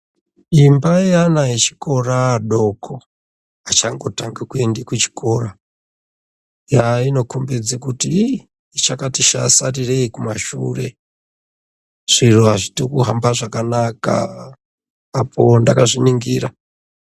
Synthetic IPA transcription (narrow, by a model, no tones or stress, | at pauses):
imbaianajet͡ʃi̥ko̞raɗo̞kʰo | at͡ʃaŋɡo̞taŋɡakuendikut͡ʃi̥kʰo̞ːra | jaino̞kumbed͡zekuti | it͡ʃakatiʃa̰sarireikumaʃṵre̞ | ʐ̥iruaʐitokuɦambaʐakanaka̰ | pʰo̞ndakaʐiniŋɡiːra